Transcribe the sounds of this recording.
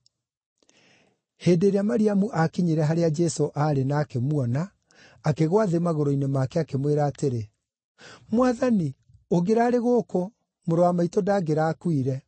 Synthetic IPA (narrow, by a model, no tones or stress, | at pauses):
heːdeːɾeamaɾiamuʔakiɲeɾɛɦaɾead͡ʒɛsoʔaɾenaːkemwɔnaː | keɣwaðemaɣoɾoinemakɛakemweɾaːteɾe | mwaðani | oɡeɾaːɾeɣoko | moɾoamaitodaːɡeɾaːkwiɾɛ